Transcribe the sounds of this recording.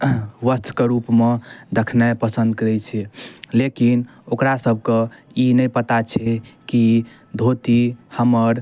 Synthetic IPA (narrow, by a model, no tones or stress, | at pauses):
ʋəst̪ʰkeɾupmed̪ekʰnapəsənd̪̚kəɾɛt͡ʃʰɛlekin | okɾasəbʱkeinəjpət̪at͡ʃʰɛki | d̪ʱot̪ihəməɾ